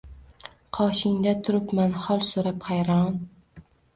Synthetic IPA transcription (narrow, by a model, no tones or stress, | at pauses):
qʰɒʃɪŋd̪at̪ʰʊɾɪpmanhɒlˠsoɾaphajɾɒn